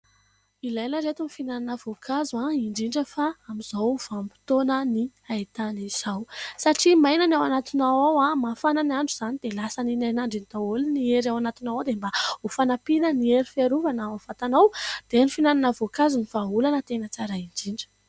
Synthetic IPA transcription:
ilajnəɾet̪unifinananəvokʰazaiɳɖ͡ʐiɳɖ͡ʐəfaamizawuv̥ampi̥t̪onəni | ait̪aniz̥awsaʈ͡ʂimajnanawanat̪inawawamafananaɳɖ͡ʐuz̥anid̪elasaninajnaɳɖ͡ʐinit̪aolinieɾawanat̪inawawd̪embaufanapinənieɾifeɾuvanaavat̪anawd̪̥enifinananəvokazuniv̥aɦulanət̪enət͡saɾaiɳɖ͡ʐiɳɖ͡ʐə̥

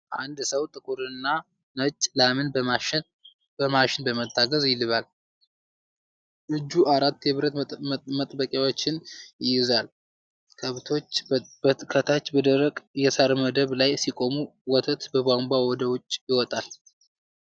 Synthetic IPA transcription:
ʔand̪səwt̪ʼɨkʼuɾɨnːa | nət͡ʃʼːlamɨnbəma | bəmaʃɪnbəmət̪ːaɡəzjɪlɨβal | ʔɨd͡ʒːuʔaɾat̪ːjɛβɾət̪mət̪ʼbəkʼjawot͡ʃːɪnjɪjɪzal | kʰəβt̪ʰo̞t͡ʃː | kʰət̪ʰat͡ʃːbəd̪əɾəkʼjɛsaɾməd̪əβlajsikʼo̞muwɔt̪ʰət̪bəbamɡʷawɔd̪əwʊt͡ʃʼːjɪwɔt̪ʼal

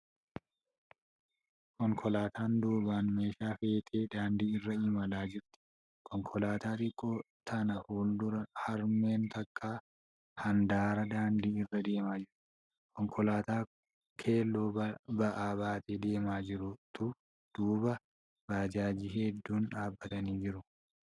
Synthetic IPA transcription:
kɔŋkʰɔlaːt̪ʰaːnd̪uːbaːnme̞ːʃaːfe̞ːt̪ʰeːd̪aːnd̪iːɪrːɐɪːmɐlaːd͡ʒɪɾt̪ɪ̥ | kʰɔŋkʰɔlaːt̪aːt̪ɪkʼːoː | t̪ʰɐnɐhuːld̪ʊɾɐhɐɾme̞ːnt̪ɐkʼːaː | hɐnd̪aːɾɐd̪aːnd̪iːɪrːɐd̪e̞ːmaːd͡ʒɪɾʊ | kʰɔŋkʰɔlaːt̪aː | kʰe̞ːlːo̞ːbɐʔaːbaːt̪ed̪e̞ːmaːd͡ʒɪɾʊt̪ʊ | d̪̥uːbɐ | baːd͡ʒaːd͡ʒihɛd̪ːuːnᶑaːbːɐt̪ɐniːd͡ʒɪɾʊ

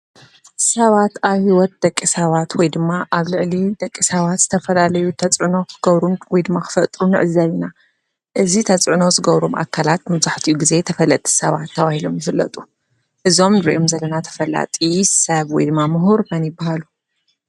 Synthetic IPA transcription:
sɐβat̪aβhiwɔt̪̚d̪ɐkʼːisɐβat̪wɔjd̪ɨmːaʔaβlɨʕlid̪ɐkʼːisɐβat̪z̥ɨt̪ʰɐfɐlalɐjut̪ʰɐt͡sʼʕɨno̞kʰɨɡɐβɾumwɔjd̪ɨmːakʰɨ̥fɐt̪ʼɾunɨʕɨzːɐβina | ʔɨzit̪ʰɐt͡sʼʕno̞zɨɡɐβɾumʔa̰kʰːalat̪mɐβzaħt̪ʰijuɡize̞t̪ʰɐfɐlːɐt̪ʼi̥sɐβat̪ʰːɐβahilomjɨfɨlːɐ̰t̪ʼu | ʔɨzo̞mnɨɾiʔomzɐlːɐnat̪ʰɐ̥fɐla̰t̪ʼisɐβwɔjd̪ɨmːamɨɦuɾmɐnjɪbːahalu

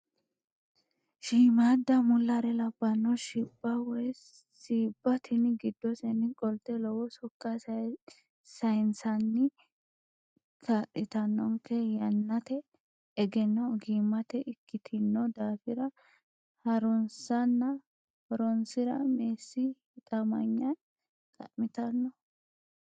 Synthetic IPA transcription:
ʃiːmad̪ːɐmʊlːɐɾɛlɐbːɐnːɔʃiːb̥ːɐwɔj | siːbːɐt̪ʰɪnɡɪd̪ːɔsɛnɪkʼɔlt̪ːɛlɔwɔsɔkːɐ | sɐjnsɐnːɪ | kʰaʔɪt̪ɐnːɔŋkːɛjɐnːɐt̪ɛ | ɛɡɛnːɔɡiːmːɐt̪ɛʔɪkːɪt̪ʰɪnːɔd̪aːfɪɾɐ | hɐɾɔnsɐnːɐ | hɔɾɔnsɪɾɐ̰meːsːɪ | ɪt̪ʼɐmɐ̰ɲːɐn | kʼɐ̰ʔmɪt̪ɐnːɔ

